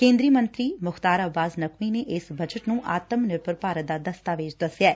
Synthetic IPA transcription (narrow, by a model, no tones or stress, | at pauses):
kẽːnd̪ɾiːmə̃nt̪ɾiːmʊxt̪aːɾəbaːznəkʰʋiːneʔɪsbəd͡ʒəʈnũːʔaːt̪əmnɪɾpəɾpaːɾət̪̚d̪aːd̪əst̪aːʋeːd͡ʒd̪əsjaːɛː